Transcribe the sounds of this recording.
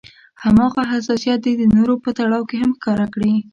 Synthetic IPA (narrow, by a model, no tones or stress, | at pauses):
hamɑɣaɦas̬ɑsijɑt̪̚d̪ed̪ənoɾopət̪aɽɑwkeɦamxkɑɾakɽi